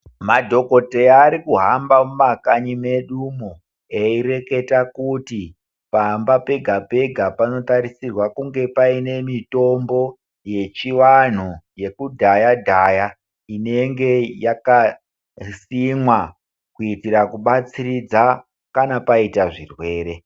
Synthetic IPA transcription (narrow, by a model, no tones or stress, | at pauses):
madʱo̞ko̞teaɾikuɦambamumakaɲime̞ɗumo | eire̞ke̞takuti | pambape̞ɡʱape̞ɡʱapano̞t̪aɾisirwakuŋɡe̞paine̞mito̞mbo̞ | je̞t͡ʃiwan̤uje̞kudʱajadʱaja | ine̞ŋɡe̞jaka | simwa | kuitiɾakuɓat͡siɾid͡za | kanapaitaʐirwe̞ːɾe̞